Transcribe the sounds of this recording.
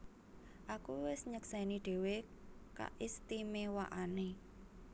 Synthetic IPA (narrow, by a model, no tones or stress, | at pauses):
ʔakuwɪsɲəksɛniɖ̪̥e̤weka̰ʔist̪imewa̰ʔane